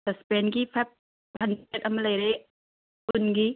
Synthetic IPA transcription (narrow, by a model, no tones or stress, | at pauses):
sɐspenɡipʰap̚ | bʱɐnetɐmɐlɐjɾe | unɡi